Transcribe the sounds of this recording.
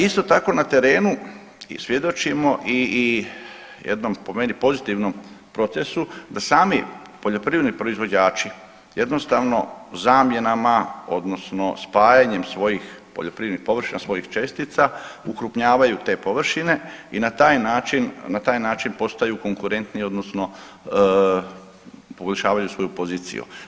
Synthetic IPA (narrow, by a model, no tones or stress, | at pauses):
ist̪o̞t̪ako̞nat̪e̞ɾe̞ːnu | ḭsʋje̞d̪o̞t͡ʃimo̞ʔi | jḛd̪nompo̞me̞nipo̞zit̪iʋno̞m | pɾo̞t̪se̞sud̪asaːmi | po̞ʎo̞pɾiːʋed̪nipɾoizʋo̞d͡ʑaːt͡ʃi | je̞d̪no̞st̪aʋno̞̰zaːmje̞namao̞d̪no̞sno̞spaːjaɲe̞msʋo̞jixpoʎo̞pɾiːd̪nixpo̞ʋr̩ʃinasʋo̞jixt͡ʃe̞st̪it̪saukɾupɲaːʋajut̪e̞ːpo̞ʋr̩ʃine̞inat̪aːjnaːt͡ʃinnat̪aːjnaːt͡ʃinpo̞st̪ajuko̞ŋkuɾe̞nt̪nio̞d̪nosno̞ | poɡoʎʲʃaːʋajusʋo̞jupo̞ziːt̪sḭjṵ